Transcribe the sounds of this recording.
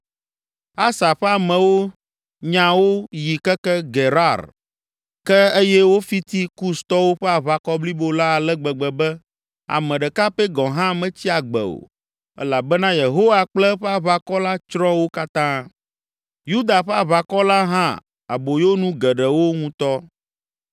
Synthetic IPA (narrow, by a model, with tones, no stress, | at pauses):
a˦sa˨ɸɛ˦a˨mɛ̃˨wo˦ | ɲã˦wo˦ji˨kɛ˦kɛ˦ɡe˨ɾa˦˨ɾ | kɛ˦e˦jɛ˦wo˦fi˦t̪i˦ku˦st̪ɔ˦wo˦ɸɛ˦a˨βa˨kɔ˦bli˦bo˦la˦˨lɛ˦ɡ͡bɛ˨ɡ͡bɛ˨bɛ˦ | a̰˨mɛ̃˨ɖɛ˨ka˦pɛ˦ɡɔ̃˨ɦã˦˨mɛ̃˨t͡ɕi˦a˨ɡ͡bɛ̰˨o̰˨ | ɛ̰˦la˨bɛ˦nã˦je˨ɦo˦wa˨k͡plɛ˦ɸɛ˦a˨βa˨kɔ˦la˦t͡ʃɾɔ̃˦wo˦ka˦t̪ã˦ | ju˦d̪a˨ɸɛ˦a˨βa˨kɔ˦la˦ɦã̰˦ | a̰˨bo˨jo˦nũ˦ɡɛ˨ɖɛ˨wo˦ŋũ˦t̪ɔ˦